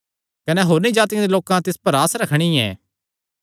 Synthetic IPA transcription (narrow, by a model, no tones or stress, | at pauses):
kɐneɦoːɾnĩd͡ʒaːt̪ijãd̪eloːkãt̪ɪspɐɾaːsɾɐkʰɽ̃iɛ̰ː